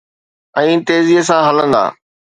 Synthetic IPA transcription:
ɛ̃ːt̪eːziɦəs̬ãɦɐlə̃nd̪a̰ː

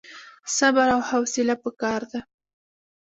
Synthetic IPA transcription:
sabaɾawhawsɪlapəkɑɾd̪a

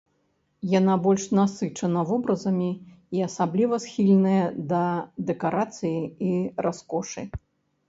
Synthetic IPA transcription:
jan̪abɔlʲʂnasɨt͡ʂɐnɐvɔbɾɐzɐmʲiː | ɐsablʲivɐsxʲilʲnɐjɐd̪ɐd̪ɛkaɾat̪sɨjiirʔaskɔʂɨ̰

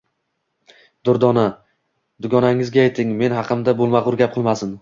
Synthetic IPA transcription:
d̪ʊɾd̪ɒna | d̪ʊɡɒnaŋɪzɡʲaːjt̪ʰːɪŋme̞nhɑqʰɨmd̪abolˠmaʁʊɾɡʲap̚qʰɨlˠmasɪn

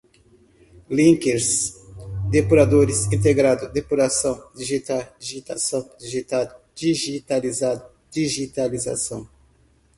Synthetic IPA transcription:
lĩŋkeɾs | d̪epuɾad̪oɾɪsĩnt̪̬eɡɾad̪ʊd̪epuɾasɐ̃w̃d̪iʒit̪ad̪iʒit̪asɐ̃w̃d̪iʒit̪ad̪ʊ | d͡ʒiʒit̪alizad̪ʊ | d͡ʒiʒit̪aliza̰sɐ̃w̃

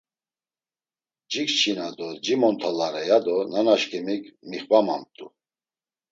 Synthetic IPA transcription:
d͡ʒikt͡ʃʰinad̪ɔd͡ʒimɔnt̪ʰalaɾɛjad̪ɔnanaʃkʰʼɛmikmiχvamamt̪ʼṵ

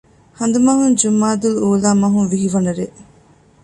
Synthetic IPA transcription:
hɐnd̪umɐɦund͡ʒumːaːd̪uluuːlaːmɐɦunʋiɦiʋɐnɐɾe

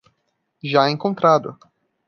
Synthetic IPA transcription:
ʒaẽŋkõnt̪ɾad̪ʊ̰

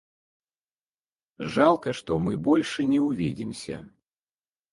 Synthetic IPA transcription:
ʐalˠkɐʂt̪ɔmɨbɔlʲʂɨnʲɛʊvʲidʲɪmsʲɐ̰

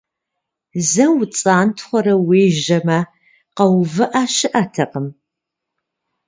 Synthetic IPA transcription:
zɐwt͡sʼaːntʰχʷɔɾɐweːʒɐmɐ | qɐwvɨʔaʃɨʔɐtʰɐqəm

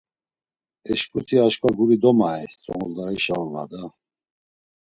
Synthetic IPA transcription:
ɛʃpʼut̪ʰiaʃkʰʼaɡuɾid̪ɔmaɛst͡sʼɔ̰ŋɔld̪aiʃaɔlna̰d̪a

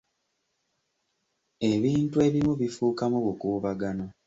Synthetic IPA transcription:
e̞βiːntue̞βimuβifuːkamuβukuːβaɡano

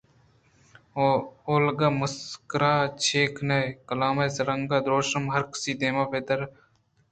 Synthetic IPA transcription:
oːlɡaːməskɾaːt͡ʃʰeːkʰnɐjkɐlaːmɐːsɐɾɐŋɡaːd̪ɾoːʃəmɦɐɾksiːd̪eːmaːpʰeːt̪ɐɾ

